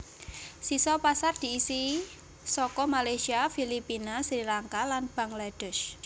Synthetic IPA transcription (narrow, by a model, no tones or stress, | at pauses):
sisɔpasard̪̥i̤ːsi | sɔkɔmalajsiafilipinasɾilaŋkalanb̥aŋlad̥ʊ̤ʃ